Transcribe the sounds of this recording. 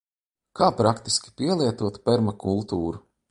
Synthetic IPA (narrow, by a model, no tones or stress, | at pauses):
kʰaːpɾakt̪iskʲi̥pʲiɛlˠiɛt̪uɔt̪pɛɾmakʰulˠt̪uːɾu